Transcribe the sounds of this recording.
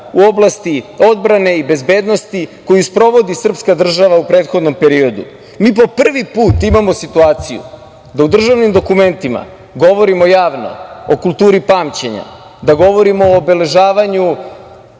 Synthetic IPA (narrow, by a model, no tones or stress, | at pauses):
uo̞blˠast̪io̞d̪bɾane̞ibe̞zbe̞ːd̪no̞st̪iko̞juspɾo̞ʋo̞d̪isr̩pskad̪r̩ʒaʋaupɾe̞ːt̪xo̞d̪no̞mpe̞ɾio̞d̪ṵ | miːpo̞pr̩ʋipuːt̪imamo̞sit̪uaːt̪sijṵ | d̪aud̪r̩ʒaʋnimd̪o̞kume̞nt̪ima̰ | ɡo̞ʋo̞ɾimo̞jaːʋno̞̰okulˠt̪uːɾipaːmt͡ɕeɲa̰ | d̪aɡo̞ʋo̞ɾimoːbe̞le̞ʒaːʋaɲu